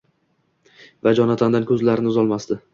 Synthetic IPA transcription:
vad͡ʒɒnat̪ʰand̪ankʰʲɵzlaɾɪnɪʊzɒlˠmast̪ɪ

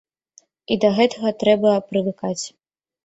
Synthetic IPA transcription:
id̪ɐɣɛt̪ɐɣɐt̪ɾɛbɐpɾɨvɨkat͡sʲ

